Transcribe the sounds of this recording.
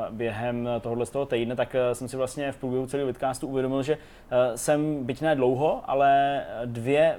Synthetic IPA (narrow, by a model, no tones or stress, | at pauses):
bjɛɦɛmt̪oɦodlɛst̪oɦot̪ɛjdnɛt̪aksɛmsɪvlast̪ɲɛfpɾuːbjɛɦut͡sɛliːɦvɪt̪̚kaːst̪uuvjɛdo̞mɪlʒɛ | sɛmbɪcnɛːdlowɦo̞ʔa̰lɛdvjɛ